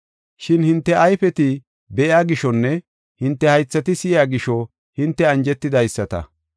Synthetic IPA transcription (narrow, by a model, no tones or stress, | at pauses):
ʃɪnhɪnt̪ːɛʔɐjfɛt̪ɪ | bɛʔjaːɡɪʃɔnːɛ | hɪnt̪ːɛhɐjt͡sːɐt̪ɪsɪjaːɡɪʃɔ | hɪnt̪ːɛɐnd͡ʒɛt̪ːɪd̪ɐjsːɐt̪ɐ̰